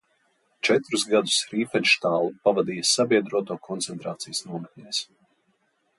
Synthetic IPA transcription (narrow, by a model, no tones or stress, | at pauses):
t͡ʃɛt̪ɾuzɡad̪u̥sɾiːfɛd̪ʲʃt̪aːlˠupavad̪iːjasabʲiɛd̪ɾuɔt̪uːkʰɔnt̪sɛnt̪ɾaːt̪sijəsnuɔmɛkʲɲʲeːs